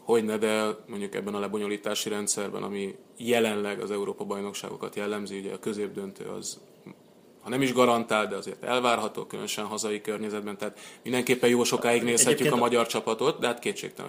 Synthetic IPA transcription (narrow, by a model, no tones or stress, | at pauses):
ho̞ɟnɛd̪ɛlmo̞ɲɟukɛ̰bːɛnɒlɛbo̞ɲo̞liːt̪aːʃiɾɛnt̪sɛrbɛ̰nɒ̰mi | jɛlɛnlɛɡɒ̰zɛuɾoːpɒbɒjno̞kʃa̰ːɡo̞̰kɒt̪jɛlːɛmziuɟɛɒkø̞zeːb̚d̪ø̞nt̪ø̰ːɒ̰z | hɒnɛmiʒɡɒɾɒnt̪aːld̪ɛɒzeːrt̪ɛ̰lvaːrɦɒt̪o̰ːkylø̰nøʃɛnɦɒzɒikørɲɛzɛd̪̚bɛnt̪ɛɦaːt̪mind̪ɛŋkeːpːɛjjoːlʃo̞kaːjiɡneːshɛːykɒmɒɟɒrt͡ʃɒpɒt̪o̞t̪d̪ɛɦat̪keːtʃḛːkt̪ɛ̰l̰